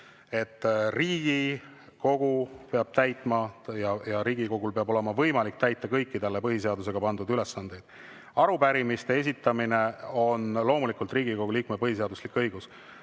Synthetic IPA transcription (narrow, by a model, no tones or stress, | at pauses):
e̞t̪ːˑriːɡ̥i | ko̞ɡ̥upe̞ɑb̥̚t̪æjt̪ˑmɑjɑjɑɾiːɡiko̞ɡulpe̞ɑbo̞le̞mɑvɤjmɑlik̚t̪æjt̪ːˑɑkɤjkˑːit̪ɑlːepɤɦiseɑd̪us̬e̞ɡ̥ɑpɑnd̪ud̪yle̞sːɑnd̪̥e̞jd̪̥̚ | ɑɾupæɾimist̪e̞e̞sʲit̪ːˑɑmine̞o̞nlo̞ːmulikːˑult̪riːɡiko̞ɡ̥uliːkmepɤhis̬e̞ɑd̪uslikːɤjɡ̥us